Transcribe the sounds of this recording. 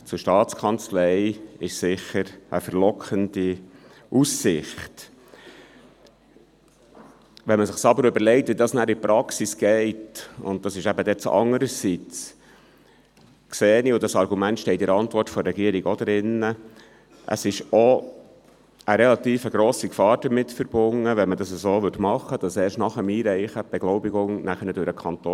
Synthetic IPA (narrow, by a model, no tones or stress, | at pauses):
t͡sʊʃtɑːt͡skʰɑnt͡slɛɪɪʃsɪχəɾəfəɾlɔkχəndi | ʔusɪχt | ʋɛnməsɪχsɑbəɾʏbəɾlɛɪtʋidɑːsnæːɾipɾɑksisɡ̥ɛɪtʊ̰nt̚d̥ɑsɪʃæbədɛt͡sʔɑ̰ŋːəɾəsit͡s | kseːniʊdɑsɑɾɡumæntʃtɛɪtɪɾɑntʋɔrtfɔɾɛɡiəɾiɡod̪ɾɪnːə | ʔə̰sɪʃɔ | əɾɛlɑt̪iːfəɡɾoːsikfɑːɾd̥əɾmɪtfəɾb̥ʊŋːəʋɛnmədɑsəzoːʋɵtmɑχːəd̥ɑsɛːɾʃtnɑχəmiːɾɛɪχəb̥ɛɡ̥lɔʊbiɡʊŋnæχənədʊɾəkʰχɑnt̪oː